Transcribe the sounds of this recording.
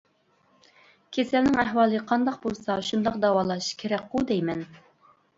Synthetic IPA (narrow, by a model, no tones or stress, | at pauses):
kʲʰesælnɪŋæɦwɑːlˠɨqʰɑnd̪ɑqbolˠsɑʃund̪ɑq̚d̪ɑwɑːlˠɑʃʃkʲʰeɾɛk̚ʲqud̪ɛjmɛn